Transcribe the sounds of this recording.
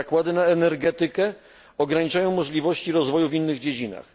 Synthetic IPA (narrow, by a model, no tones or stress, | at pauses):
akwad̪ɘnaɛnɛɾɡɛt̪ɘkɛ | ɔɡɾaɲit͡ʂajɔ̃w̃mɔʐlʲivɔɕt͡ɕiɾɔzvɔjuvinːɘɣd͡ʑed͡ʑina̰x